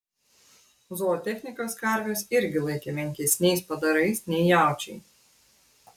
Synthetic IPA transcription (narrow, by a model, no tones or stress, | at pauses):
zuːt̪ʲɛxʲnʲɪkoːskɐɾʲʋʲʊsɪɾʲɡʲɪlˠɐɪkʲɛmʲɛŋʲkʲisnʲɛjspɐd̪ɐɾɐɪsnʲɛjjaˑwt͡ʃʲɛj